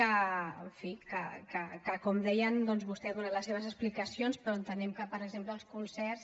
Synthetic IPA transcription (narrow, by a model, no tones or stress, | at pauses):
əəɱfikə̰kəkəkɔmd̪ɛjənd̪ɔnzβust̪ɛaðunaləsːeβ̞əzəsplikəsionspɾɔənt̪ənɛmkəpəɾəɡzempləːlˠskunsɛrs